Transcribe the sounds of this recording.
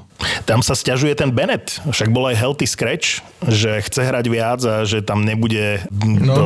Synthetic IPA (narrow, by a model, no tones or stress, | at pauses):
t̪amsascaʒujɛt̪ɛnbɛnɛt̪fʃaɡ̚bɔlajɦɛlt̪iskɾɛt͡ʃ | ʒɛxt͡sɛɦɾaɟʋɪad͡zaʒɛt̪amɲɛbuɟɛ